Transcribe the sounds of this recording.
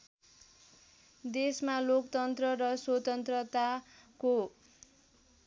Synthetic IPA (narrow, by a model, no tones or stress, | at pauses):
d̪esmalokt̪ʌnt̪rʌɾʌswʌt̪ʌnt̪rʌt̪ako